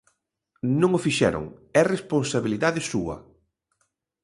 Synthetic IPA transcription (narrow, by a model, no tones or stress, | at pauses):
nõŋofiʃɛ̰ɾʊ̰ŋɛresponsaβiliðaðɪsuɐ̰